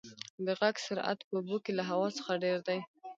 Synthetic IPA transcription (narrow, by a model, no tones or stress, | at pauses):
d̪əɣaɡsʊɾa̰t̪pəubokelaɦawɑt͡sə̥xaɖeɾd̪aj